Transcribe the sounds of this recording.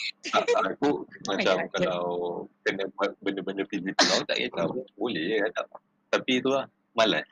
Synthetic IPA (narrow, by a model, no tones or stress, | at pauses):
aʔakumat͡ʃamkalawkənə̃bəndəbəndəfizik̪əlawt̪a̰ʔjə̰t̪awbolɛhjəkat̪a̰ʔ | t̪apit̪ulah | mala̰s